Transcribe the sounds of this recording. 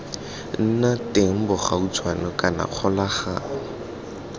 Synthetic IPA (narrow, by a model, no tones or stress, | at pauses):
n̩natɪŋ̩bɔχaut͡sʰwanɔkʼana̰q͡χʰɔlaχa